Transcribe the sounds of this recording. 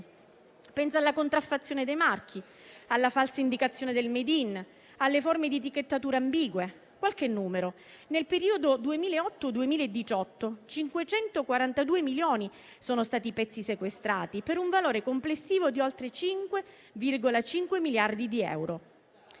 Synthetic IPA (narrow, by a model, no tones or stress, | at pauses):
pɛnsalːakont̪ɾafat̪sːjoːned̪ejmark̟ʰi | alːafalsaind̪ikat̪sːjoːned̪elmed̪in | alːeformed̪it̪̬ikːet̪ːat̪uːɾeambiːɡwe | kwalkenːuːmeɾo | nelpeɾiːod̪od̪uemiːlaeɔt̪ːod̪uemiːlaed̪ːit͡ʃɔt̪ːot͡ʃiŋkwet͡ʃɛnt̪okwaɾant̪ad̪uːemiljoːni | soːnost̪aːt̪ipɛt̪sːisekwest̪ɾaːt̪ipeɾuɱvaloːɾekomplesːiːvod̪iolt̪ɾet͡ʃiŋkwe | virɡolat͡ʃiŋkwemiljard̪id̪iɛ̰wɾo